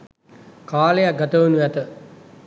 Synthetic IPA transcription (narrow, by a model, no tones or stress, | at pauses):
kaːlejaɡɐt̪əʋənuʋæt̪ə